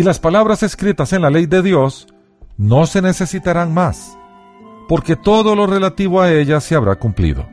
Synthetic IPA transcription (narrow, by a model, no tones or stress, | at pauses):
ilaspalaβɾase̞skɾit̪ase̞nlale̞jd̪e̞ðjo̞s | no̞se̞ne̞se̞sit̪aɾaŋmas | po̞ɾke̞t̪o̞ðo̞lo̞re̞lat̪iβoae̞ʝaseaβɾakumplḭðo̞̰